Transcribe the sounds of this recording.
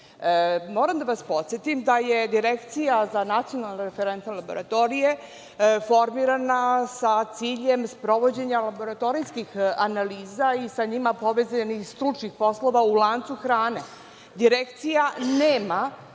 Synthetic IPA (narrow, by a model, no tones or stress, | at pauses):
moːɾamd̪aʋaspo̞t̪sjet̪imd̪ajed̪iɾekt̪sijazanat̪ijo̞nalˠnaɾefeɾent̪malabo̞ɾat̪o̞ɾije̞ | fo̞ɾmiɾanasat̪siːʎe̞mspɾo̞ʋo̞d͡ʑe̞ɲalabo̞ɾat̪o̞ɾijskixanaliːzaisaɲimapo̞ʋe̞zanixst̪ɾut͡ʂnixpo̞slo̞ʋaulˠaːnt̪suxɾaːne̞ | d̪iɾekt̪sijaneːma